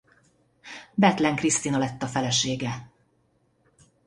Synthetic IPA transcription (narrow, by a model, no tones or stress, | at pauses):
bɛt̪lɛŋkrist̪iːnɒlɛt̪ːɒfɛlɛʃeːɡɛ